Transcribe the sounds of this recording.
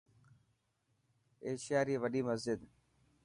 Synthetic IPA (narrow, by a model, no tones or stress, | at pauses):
eːʃɪjaːɾiːʋəɗiːməzd͡ʒɪd̪